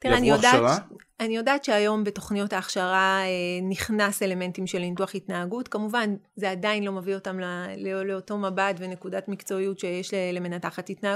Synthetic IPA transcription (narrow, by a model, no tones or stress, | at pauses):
tieanijodaʁa | anijo̞daːtʃeajo̞mbe̞to̞χnijo̞taːχʃaʁaeniχnase̞le̞me̞ntimʃe̞lintuaχitnaːɡutkamuvanze̞adainlo̞mavio̞tamlleleoto̞mabatvene̞kudatmikt͡so̞ijutʃejeʃlele̞menataχatitna